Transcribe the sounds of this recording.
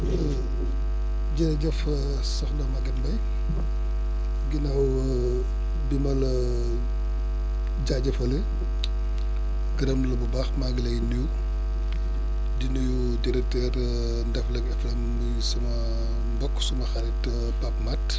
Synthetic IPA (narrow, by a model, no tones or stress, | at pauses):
ɟɐɾɐɟɐf | sɔxdɐmɐɡɛmbɐj | ɡinɐw | bimɐl | ɟaɟɐfɐlɛ | ɡiɾɐmlɐbubaxmaɡlɐjniw | dinuju | tiɾɛtɛr | ndɛflɐkɛflɐmːujsɐmɐ | mbɔkːsumɐxɐɾɛt | pap̚mat